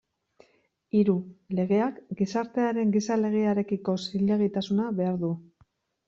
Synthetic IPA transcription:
iɾule̞ɣ̞e̞akɡisaɾt̪e̞aɾe̞ŋɡisale̞ɣ̞e̞aɾe̞kiko̞silːe̞ɣ̞it̪asunaβe̞aɾðu

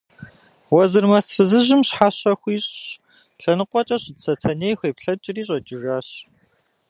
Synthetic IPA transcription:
wɐzɨrmɐsfɨzɨʑɪmɕħaːɕɐxʷiːɕʼɕ | ɬɐnɨqʷɔt͡ʃʼɐɕʼsɐtʰɐneːjxʷeːpɬɐt͡ʃʼɪriːɕʼɐd͡ʒʼɪʒaːɕ

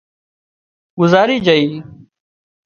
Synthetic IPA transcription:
ɡʊzaːɾiːd͡ʒəiː

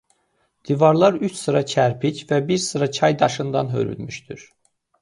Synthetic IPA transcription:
d̪̥ivɑɾlˠɑɾyt͡ʃsɯɾɑt͡ʃʰæɾpʰicʰvæbiɾsɯɾɑt͡ʃʰɑjd̪ɑʃɯnd̪ɑ̰nɦø̰ɾy̰lmyʃt̪yɾ̥

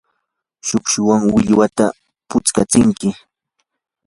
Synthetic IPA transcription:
ʃʊkʃʊwaŋwɪʎwat̪a | pʊt͡skat͡sɪŋkɪ

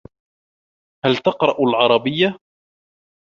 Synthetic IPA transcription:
halt̪ɑqɾˤɑʔalʕɑɾˤɑbɪjːa

